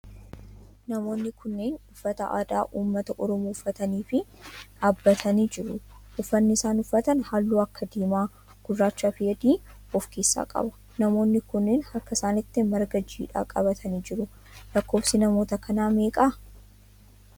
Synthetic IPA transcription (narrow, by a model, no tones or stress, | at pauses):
nɐmo̞ːnːɪkʰʊnːeːnʊfːɐt̪ɐʔa̰ːd̪aːʔuːmːɐt̪ɐʔɔɾɔmuːʊfɐt̪ɐniːfɪ | aːbːɐt̪ʰɐniːd͡ʒɪɾʊʔʊfːɐnːɪɪsaːnʊfːɐt̪ɐnhaːlːuːɐkːɐd̪iːmaː | ɡ̥ʊd̪ɾaːt͡ʃːafɪjɛd̪iː | ɔfkeːsːa̰ːkʼɐ̰bɐ̥ | nɐmo̞ːnːɪkʊnːeːnhɐkːɐɪsaːnɪt̪ːɪmɐɾɡɐd͡ʒːiːᶑa̰ːkʼɐ̰bɐt̪ʰɐniːd͡ʒɪɾʊ | lɐkːo̞ːfsɪnɐmoːt̪ɐkʰɐnaːme̞ːkʼa